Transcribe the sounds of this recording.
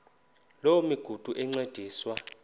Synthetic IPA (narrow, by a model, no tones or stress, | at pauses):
lowumiɡ̥ʱud̥ʱuʔɛŋ͡ǀed̥ʱiːswa